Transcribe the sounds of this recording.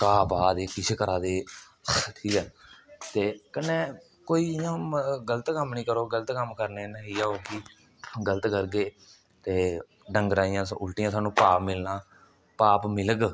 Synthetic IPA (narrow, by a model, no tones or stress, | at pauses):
kaːpaːd̪eːkɪt͡ʃʰeːkəɾaːd̪eː | ʈʰiːkɛːt̪eːkənːeː | koːiːjãːɡələt̪kəmnĩːkəɾoːɡələt̪kəmkəɾneːnaɦiːaːoːkiː | ɡələt̪kəɾɡeː | t̪eː | ɖəŋɡɾaːijãːsʊlʈɪjãːsaːnũːpaːpmɪlnãː | paːpmɪləɡ